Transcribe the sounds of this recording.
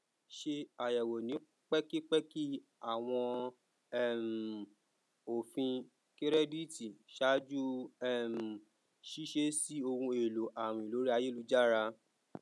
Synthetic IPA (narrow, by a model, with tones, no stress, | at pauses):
ʃe˧a˨jɛ˨wo˨nĩ˨˦ | k͡pɛ˦ki˦k͡pɛ˦ki˦a˦˨w̃ɔ̃˧ | ɛ˦˨m˨ | o˨fĩ˧ | ke˦ɾɛ˦di˦ti˨ʃa˦d͡ʒu˦ɛ˦˨m̩˨ | ʃi˦ʃe˧˦si˦o˧hũ˧e˨lo˨ʔa˨w̃ĩ˨lo˨˦ɾi˦a˧je˦˨lu˨˧d͡ʒa˦ɾa˧